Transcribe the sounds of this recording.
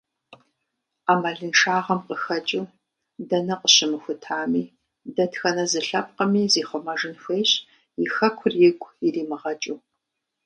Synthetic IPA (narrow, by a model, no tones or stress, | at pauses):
aːmɐɮɨnʈ͡ʂʰaːʁɐmqəxɐt͡ʃʼuː | dɐnɐqəɕɪmɨxʷʊtʰaːmiː | dɐtʰxɐnɐzɨɬɐp̚qɐmiːziːχʷɔmɐʐɨnxʷejɕ | jɪxɐkʷʰʊrjɪɡʷʼiriːmɨʁɐt͡ʃʼuː